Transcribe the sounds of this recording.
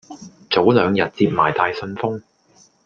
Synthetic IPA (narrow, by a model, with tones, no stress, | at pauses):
t͡so˨˥wlœː˨˧ŋjɐ˨t̚t͡siː˧p̚maː˨˩jt̪aː˨jsɵ˧nfʊ˥ŋ